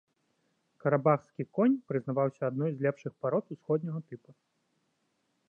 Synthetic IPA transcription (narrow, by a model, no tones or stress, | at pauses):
kɐɾabaxskʲikɔnʲpɾɨznavawsʲɐad̪nɔjzʲlʲɛpʂɨxpaɾɔt̪usxɔd̪̚ʲnʲɐɣɐt̪ɨpɐ